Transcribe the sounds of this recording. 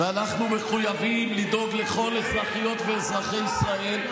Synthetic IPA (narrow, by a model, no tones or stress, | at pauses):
veanaχnume̞χujavimlid̪o̞ɡle̞χo̞lesʁaχijo̞t̪veːsʁaχejisʁae̞l